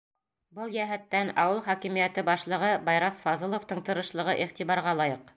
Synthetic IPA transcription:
bɤlˠjæɦæt̪ːænɑ̰wɤlˠχɒkimijæt̪ɘbɑʃlˠɤ̆ʁɤbɑjɾɑsfɑzɤ̆lˠŏft̪ɤɴt̪ɤ̆ɾɤ̆ʃlˠɤ̆ʁɤʔiχt̪iβɑɾʁɑlˠɑjɤq

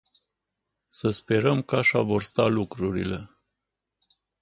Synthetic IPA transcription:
səspe̞ɾəmkaʃavo̞rst̪alukɾuɾḭle̞

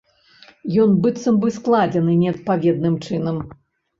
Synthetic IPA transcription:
jɔnbɨt̪sɐmbɨsklˠad͡zʲɛnɨnʲɛɐt̪̚pavʲɛd̪̚nɨmt͡ʂɨnɐm

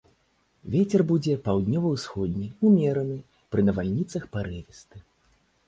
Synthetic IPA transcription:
vʲet͡sʲɛrbud͡zʲɛpawd̪nʲɔvɐwsxɔd̪ʲnʲɛumʲɛɾɐnɨ | pɾɨnɐvalʲnʲit̪sɐxpaɾɨvʲɛst̪ɨ

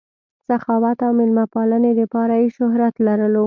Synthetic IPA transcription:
saxɑwat̪awmɪlmapɑləned̪əpɑɾajeʃʊɦɾat̪laɾəlo

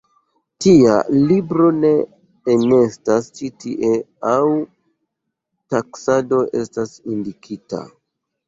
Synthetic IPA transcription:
tia̰libɾo̞ne̞ː | ne̞stast͡ʃitiʔe̞ | aw | taksado̞ʔe̞stasindikʰita̰

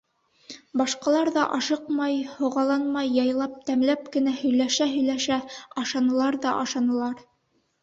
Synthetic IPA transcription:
bɑʃqɑlˠɑɾðɑʔɑʃɤqmɑjhŏʁɑlˠɑnmɑjːɑjlˠɑp̚t̪æmlæp̚kɘ̆næhɵ̆jlæʃæɦɵ̆jlæʃæɑʃɑnɤ̆lˠɑɾðɑʔɑʃɑnɤ̆lˠɑɾ

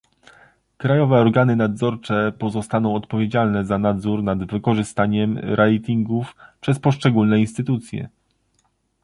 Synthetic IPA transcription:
kɾajɔvɛɔɾɡanɘnad̪zɔɾt͡ʂɛpɔzɔst̪anɔ̃w̃ɔt̪pɔvʲjed͡ʑalnɛzanad̪zuɾnad̪vɘkɔʐɘst̪aɲɛmɾʔɛjt̪ʲiŋɡufpʂɛspɔʂt͡ʂɛɡulnɛinst̪ɘt̪ut̪sʲjɛ̰

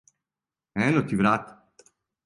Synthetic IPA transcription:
ɛːnot̪iʋɾat̪

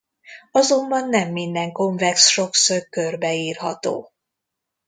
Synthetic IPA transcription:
ɒzo̞mbɒnːɛmːind̪ɛŋko̞ɱvɛksʃo̞ksørkø̞rbɛiːrɦɒt̪o̰ː

